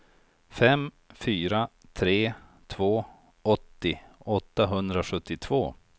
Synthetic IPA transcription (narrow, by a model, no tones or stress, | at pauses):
fɛm | fyːɾat̪ʰɾeːt̪ʰvoː | ɔt̪ːɪɔt̪ːaɦɵnd̪ɾaɧɵt̪ːɪt̪ʰv̥oː